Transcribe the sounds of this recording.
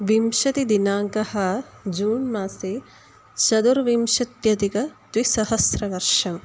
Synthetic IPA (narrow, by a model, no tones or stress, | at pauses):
ʋimʃɐt̪id̪inaːŋkɐhɐd͡ʒuːnmaːseː | t͡ʃɐd̪uɾʋimʃɐt̪jɐt̪ikɐt̪wisɐɦɐsɾɐʋɐɾʃɐm